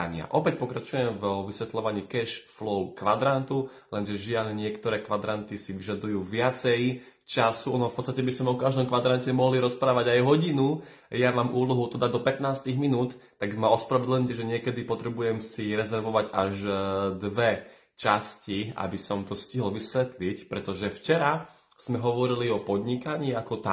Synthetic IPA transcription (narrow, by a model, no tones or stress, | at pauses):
ɲɪa̰ʔɔpɛc̚pɔkɾat͡ʃujɛmvʋisʋɛt̪lɔʋaɲiːkɛʃflɔʊkʋad̪ɾant̪u | lɛnʒɛʒialɲɪɛkt̪ɔɾɛːkʋad̪ɾant̪isiʋiʒad̪ujuːʋɪat͡sɛj | t͡ʃasuɔnɔfpɔtt͡sst̪acɛbisɔmɔkaʒd̪ɔmkʋad̪ɾancɛmɔɦliɾɔspɾaːʋaɟajɦɔɟinu | jamaːmʔuːlɔɦut̪ɔd̪ad̪ɔpɛt̪naːst̪iɣminuːt̪ːaɡmaɔspɾaʋɛd̪lɲɛʒɛɲɪɛkɛd̪ipɔt̪ɾɛbujɛmsiɾɛzɛɾʋɔʋaɟaʒd̪ʋɛ | t͡ʃascia̰bisɔmt̪ɔsciɦl̩ʋisʋɛt̪licpɾɛt̪ɔʒɛft͡ʃɛɾa | z̥mɛɦɔʋɔɾiliɔpɔd̪ɲikaɲiːakɔt̪a